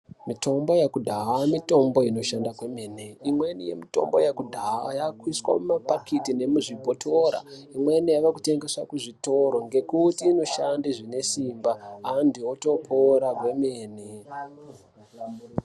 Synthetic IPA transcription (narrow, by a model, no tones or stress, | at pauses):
mito̞mbo̞jekudʱaɦamito̞mbo̞ino̞ʃandakwe̞meːneimwenḭjḛmito̞̰mbo̞̰jakudʱaa̰jakwiswa̰mumapakʰitine̞muʐibʱotʰo̞ɾa̰imwenijaʋakute̞ŋɡe̞swakuʐito̞ɾo̞ŋɡe̞kutiːno̞ʃandiʐine̞simbaːndioto̞pʰoɾakwe̞meːne